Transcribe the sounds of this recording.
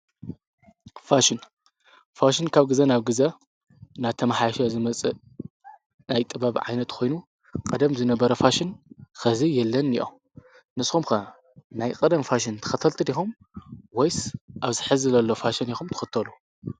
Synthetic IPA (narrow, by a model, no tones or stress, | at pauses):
faʃɪn | faʃɪnkʰaβɡɨzɐnaβɡɨzɐ | nat̪ʰɐmaħajʃɐzɨmɐt͡sʼɨ | najt̪ʼɨβaβiʕa̰jnɐt̪kʰo̞jnu | kʼɐd̪ɐmzɨnɐbɐɾɐfaʃɪnxɐzijɛlːɐnḭʔo̰ | nɨsxumxɐ | najkʼɐd̪ɐmfaʃɪnt̪ʰɨ̥xɐt̪ʰɐlt̪ʰɨd̪ixum | wojsʔaβzɨħɨzɨzɐlːo̞faʃɐnixumt̪ʰɨ̥xɨt̪ʰːɐlu